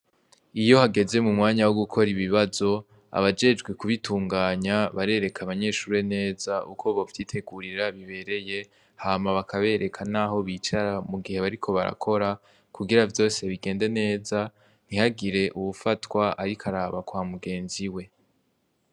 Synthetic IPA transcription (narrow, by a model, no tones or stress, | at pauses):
ijo̞haɡe̞ze̞mumŋaːɲawoɡukʰo̞ɾiβiβazo̞ | a̰βad͡ʒe̞d͡ʒɡwekuβitʰuːŋɡaːɲaβaɾe̞ːɾe̞kʰaβaɲe̞ːʃuːɾene̞ːzaʔukʰo̞βovjiːtʰe̞ɡuɾiɾaβiβe̞ɾe̞je̞ | haːmaβakʰaβe̞ːɾʔe̞kʰanaɦo̞βit͡ʃaɾamuɡihe̞βaɾikʰo̞βaɾa̰kʰo̞ɾa | kʰuɡiɾavjo̞ːse̞βiɡe̞ːnde̞ne̞ːza | n̥ihaɡiɾe̞ʔuβufatwaʔaɾikʰaɾaːβakwaːmuɡe̞ːnziwe̞